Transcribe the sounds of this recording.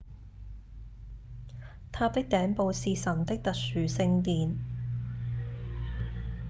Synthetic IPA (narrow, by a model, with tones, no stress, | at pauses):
t̪ʰaː˧p̚t̪ɪ˥k̚t̪ɛː˨˥ŋpo˨˧wsiː˨sɐ˨˩nt̪ɪ˥k̚t̪ɐ˨k̚syː˨˥sɪ˧ŋt̪iː˨n